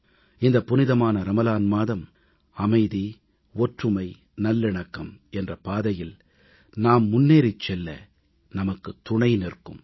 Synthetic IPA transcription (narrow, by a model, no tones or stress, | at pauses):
ɪnd̪ɐpːʊnɪðɐmaːnɐɾɐmɐlaːnmaːðɐm | ɐmɐɪði | ɔʈrɯmɐɪ | nɐlːɪɳɐkːɐmɛndrɐpaːðɐjɪl | naːmːʊnːeːɾɪt͡ʃːɛlːɐ̰ | nɐmɐkːɯt̪ːʊɳɐɪnɪrkɯ̰m